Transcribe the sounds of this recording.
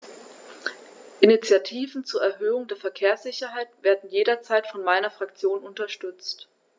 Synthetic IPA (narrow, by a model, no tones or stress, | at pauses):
ʔɪnit͡sjatʰiːvn̩t͡suːɐɛɐɦøːʊŋdeːɐfɛɐkʰeːɐsz̥ɪçɐɦaɪtv̥eːɐdn̩jeːɾɐt͡saɪtfɔnmaɪnɐfʁ̥akt͡sjoːnʊntɐʃtʏt͡st